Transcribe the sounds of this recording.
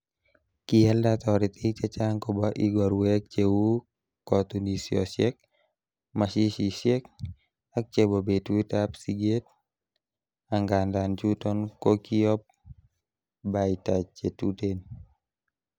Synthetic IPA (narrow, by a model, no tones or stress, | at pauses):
kiɛldat̪ɔɾit̪it͡ʃat͡ʃaŋkɔbaʔiɡɔɾwek̚t͡ʃewu | kɔt̪unisiɔsjɛk̚ | maʃiʃisjɛk̚ | ak̚t͡ʃebobetuitapsiɡet̪̚ | aŋɡandant͡ʃutɔnkokiɔp̚ | baitat͡ʃetuten